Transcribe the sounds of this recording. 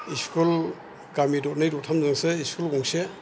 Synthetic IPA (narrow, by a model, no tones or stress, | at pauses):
iskʰul | ɡamidɔt̚najdɔtʰamzaŋseiskʰulɡɔŋse